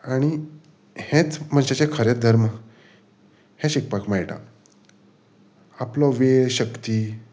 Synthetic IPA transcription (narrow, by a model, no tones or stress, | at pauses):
aɽ̃i | hẽt͡sm̤əɕat͡ɕekʰəɾed̪ʱəɾmə | hẽɕik̚pakmajʈa̰ | aplɔʋeɕəkt̪iː